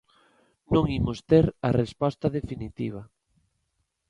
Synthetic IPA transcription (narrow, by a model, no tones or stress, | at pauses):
nõŋimost̪eɾɐrespɔst̪ɐðefinit̪iβ̞ɐ